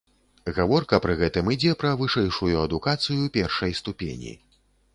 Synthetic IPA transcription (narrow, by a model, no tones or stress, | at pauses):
ɣavɔrkɐpɾɨɣɛt̪ɨmɨd͡zʲɛpɾɐvɨʂɛjʂujuɐd̪ukat̪sɨjupʲɛrʂɐjst̪upʲḛnʲḭ